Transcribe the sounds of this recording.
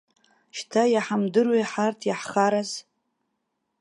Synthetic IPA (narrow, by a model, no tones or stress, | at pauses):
ʃtʰajaħamdɨrweħartʰjaħχaɾaz